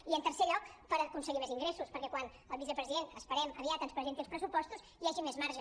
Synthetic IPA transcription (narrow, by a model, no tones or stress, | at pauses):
iənt̪əɾseʎɔkpəɾəkunsəɣimeziŋɡɾesuspəɾkɛkwan | əlˠβisəpɾəziðenəspəɾɛməβiat̪ənspɾəzent̪ilˠspɾəsupɔst̪usjaʒimezmaɾʒə